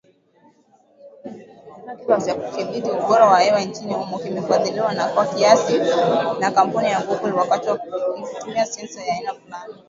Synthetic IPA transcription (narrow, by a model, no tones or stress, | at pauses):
kiwazakukiɓitiuɓɔɾawahɛwant͡ʃinihumukimɛfaðiliwanakwakiasinakam̩punijaŋɡukuliwakatiwautumiasɛnsajaːinafulani